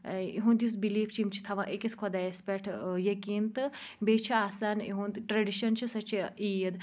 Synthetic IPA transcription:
iɦũːnd̪jus̬biliːfʰt͡ʃʰimt͡ʃʰi̥t̪ʰɐʋãʔekiskʰod̪aespʲeʈʰjɐkiːnt̪ɨbeːt͡ʃʰiaːsaːnḭɦũnd̪ʈɾɐɖiʃɐnt͡ʃʰisɐt͡ʃʰiijɐd̪

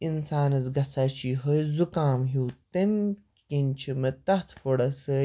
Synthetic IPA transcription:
insaːnɐt͡sɡɐsaːt͡ɕiːɦəjzukaːmɦuːt̪em | kint͡ʃʰimɐt̪ɐt̪ʰfoɽɐsə

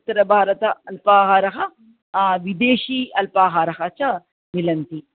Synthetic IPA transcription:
t̪ɐɾɐbʱaːɾɐt̪ɐɐlpaːɦaːɾɐɦɐ | ʋid̪eːʃiːɐlpaːɦaːɾɐɦɐt͡ʃɐ | nilɐnt̪i

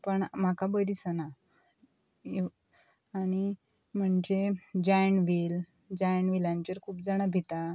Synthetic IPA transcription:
pəɳm̤akabəɾisəna | ɽ̃i | m̤əɳd͡ʑed͡ʑajɳʋil | d͡ʑajɳʋilãɲt͡ɕəɾkʰuːpd͡zaɽ̃abʱit̪a

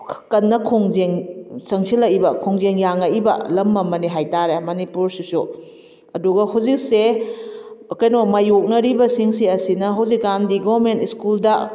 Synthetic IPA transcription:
kɐnːɐkʰoŋzeŋsɐŋsʰilɐbɐkʰoŋzeŋjaŋaʔibɐ̰lɐmːɐmɐniɦajtaɾemɐnipuɾsusu | ɐduɡɐhawzik̚se | ɐkɐjnomɐjok̚nɐɾibɐsiŋsiɐsinɐɦawzikːandiɡɔɾmentiskuldɐ

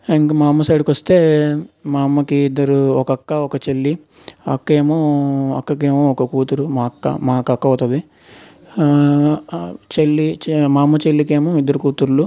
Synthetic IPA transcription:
iŋkɐmaːmːɐsɐːɽikʋɐst̪e̞ːmaːmːɐkiːd̪ːɐɾuɔkɐɐkːɐɔkɐt͡ʃelːi | ɐ̰kːeːmoːɐ̰kːɐkeːmoːɔkɐkuːt̪uɾumaːkːɐ̰maːkɐkːɐɐːt̪ɐd̪i | t͡ʃelːimaːmːɐt͡ʃelːikeːmoːid̪ːɐɾukuːt̪uɾlu

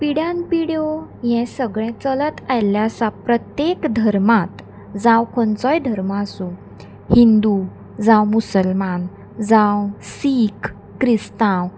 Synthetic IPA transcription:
piɽjãnpiɽijojɛ̃səɡɭɛ̃t͡sələt̪ajljasapɾət̪jekd̪ʱəɾmat̪ | d͡zãwkʰont͡sɔjd̪ʱəɾmaːsũ | hind̪u | d͡zãwmusəlman | d͡zãwsikː | ɾist̪ãw

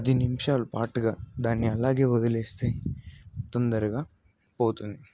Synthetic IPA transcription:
ɐd̪inimʃalpaːʈɡɐd̪aːnːiɐlːaːɡebɐd̪ɐlest̪e | t̪ɐnd̪ɐɾɐɡɐ | poːt̪uni

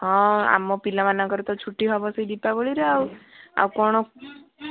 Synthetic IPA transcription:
ɦɔ̃a̰mɔpilamanakɔɾut̪ɔt͡ʃʰuʈːiɦɔbɔseid̪ipaboɭiɾeawa̰wkɔɽ̃ɔ

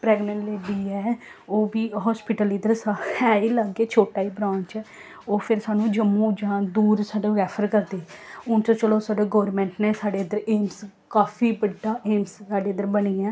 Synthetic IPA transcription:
pɾɛːɡnə̃ɳʈleːɖiːɛːoːbiːɦɔːspɪʈəlɪd̪əɾsaɛːiːləɡeːt͡ʃʰoːʈaːiːbɾãːnt͡ʃɛː | oːpʰɪɾsaːnũːd͡ʒəmũːd͡ʒãːd̪uːɾsaːɖaːʋɛːpʰəɾkəɾd̪eːʊnt͡ʃət͡ʃəloːsaːɖeːɡɔːəɾmɛ̃ːɳʈneːsaːɖeːəd̪əɾeːms | kaːfiːbəɖːaːʔeːmsaːɖeːəd̪əɾbəniːaː

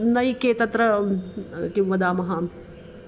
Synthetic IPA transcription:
nɐjkeːt̪ɐt̪ɾɐ | kimʋɐd̪aːmɐɦa

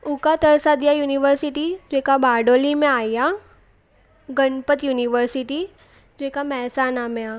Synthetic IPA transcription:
ʊkat̪əɾsad̪ijajuːniʋəɾsɪʈid͡ʒekabaːɖoːlimẽaːja | ɡəɳpət̪juːniʋəɾsɪʈi | d͡ʒokamɛːsaːnamẽaː

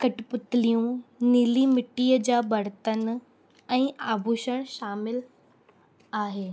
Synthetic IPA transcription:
kɐʈpʊt̪ɪlijũniːlimɪʈːiːəd͡ʑaːbɐɾt̪ən | ɛ̃ːaːbʱuʃəɽ̃ʃaːmɪl | aːɦeː

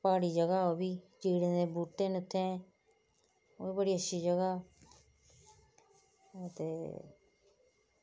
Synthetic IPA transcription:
paːɽiːd͡ʒəɡaːoːbiːd͡ʒiːɽẽːd̪eːbuːʈːẽːnʊt̪ʰːẽː | o̰ːiːbəɽiːətːʃʰiːd͡ʒəɡaː | t̪ḛː

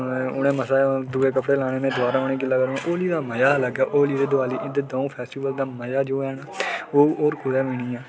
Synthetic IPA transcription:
ʊɽẽːməsaːd̪ʊːeːkəpɽeːlaːɽ̃eːnẽːd̪ʊʋaːɾãːʊɳẽːk̬ɪlːaːɡəɾoẽːʔoːliːd̪aːməjaːləɡaːʔoːliːd̪eːd̪ʊaːliːʔɪ̃nd̪eːd̪oːũːpʰɛːsʈiːʋəld̪aːməjaːd͡ʒoːɛːnaːoːoːɾkʊɾɛːmĩːniːaː

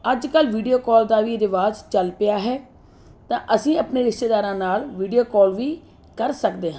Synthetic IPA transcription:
əd͡ʒkəlʋiːɖijoːkɔːld̪aːʋiːɾɪʋaːzt͡ʃəlpɪjaːɦɛː | t̪ãːʔəsĩːəpneːɾɪʃʈeːd̪aːɾãːnaːlʋiːɖijoːkɔːlʋiː | kəɾsəkd̪eːɦã

